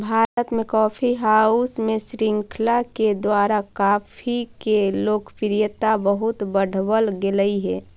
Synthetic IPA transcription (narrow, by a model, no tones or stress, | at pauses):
bʱaːɾət̪mẽkɔːpʰiɦaːusmẽsɾɪ̃ŋkʰlaked̪waːɾakaːpʰikeloːkʰpɪɾijət̪abəɦʊt̪bəɽ̤ʱbəlɡeləiɦɛː